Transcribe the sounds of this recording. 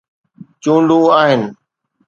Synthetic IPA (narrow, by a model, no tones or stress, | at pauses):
t͡ʃũːɳɖũːaːɦɪnɪ̆